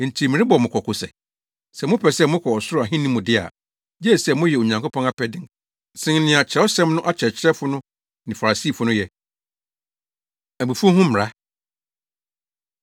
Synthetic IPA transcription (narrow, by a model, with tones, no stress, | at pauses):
n̩˨tʰi˨mɪ̃˨ɾɪ̃˦bɔ˨mʊ̃˨kʰɔ˨kʰʊ˨sɛ̰˨ | sɛ˨mʊ̃˦pʰɛ˨sɛ˦mʊ̃˦kʰɔ˨ɔ˨sʊ˦ɾʊ˦˨a˨ɦɪ̃˦nĩ˦mʊ̃˨dɪ˦a̰˨ | d͡ʑɛ˦˨sɛ˦mʊ̃˦jɛ˨o˨ɲã˨ŋkʰo˦pʰɔ̃˦na˦pʰɛ˦dɪ̃˨ŋ | sɪ̃˦ŋ˦nɪ̃˨a˨t͡ɕʰɾɛ˦ɔ˦sɛ̃˦mnʊ̃˦ʔa˦t͡ɕʰɛ˨t͡ɕʰɪ˦ɛ˦fʊ˦nʊ̃˦ | nɪ̃˨fa˨ɾa˨si˦˨fʊ˨nʊ̃˦jɛ˨ | æ˨bu˨fu˦u˦ɦʊ̃˦m̩˨ɾa˦